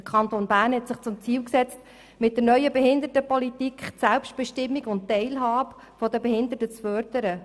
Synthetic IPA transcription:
əkʰχɑnt̪oːnbæːɾnhɛtsɪχt͡sʊmt͡siːwksɛt͡st | mɪt̚dərnœʏəbɛɦɪnd̪ətəpɔlitikχtsælpʃt̚b̥ɛʃtɪmːiɡʊnttːɛɪlɦɑːb | fɔdəbɛhɪnd̪ətət͡sfœɾd̪̥əɾə

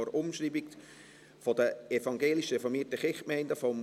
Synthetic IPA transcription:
ɔɾʊmʃriːbik | fɔdəefɑŋɡeːliʃrɛfɔɾmiːtəχɪχmɛɪndəfɔm

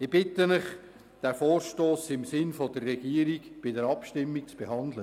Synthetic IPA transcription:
ɪb̥ɪtənɪχ | d̥æːfoːɾʃtoːsɪmsɪnfodərːɛɡ̥iːəɾiɡb̥ɪdəɾɑpʃtɪmːik̚t͡sb̥eɦɑndlə

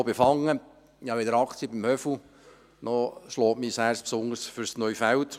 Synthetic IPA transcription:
befɑŋːə | ihɑɪdəɾɑkt͡siəbɪmhœfl̩ | nɔʃlɔːtmiːsæːɾspsʊŋəɾsfʏɾsnœɥfælt

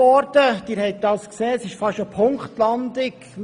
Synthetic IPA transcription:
ɔɾd̥əd̥ɪːɾhɛɪk̚d̥̪ɑːskseːəsɪʃfɑʃopʰʊŋkχtlɑnd̪ɪk

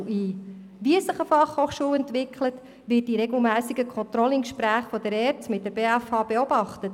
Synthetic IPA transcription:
iː | ʋiɛsəχəfɑχhoːχʃuːwɛntʋɪkʰlət | ʋɪːt̚diɾɛɡl̩ˠmæːsiɡəkʰχɔnt̪ɾɔləɪnkʃpɾæːχfɔd̥əɾɛɾtmɪt̚d̥əɾb̥eːæfhɑːbeɔbɑχtət

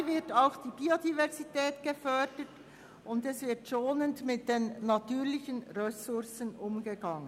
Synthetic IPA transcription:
vɪtaʊxd̥iːbiodivɛʁzitɛːtɡ̥əfœdət | ʊndɛsv̥ɪɐtʃoːnəndmɪt̚d̥eːnːatyːʁlɪçənʁɛsʊʁsənʊmɡəɡɑŋən

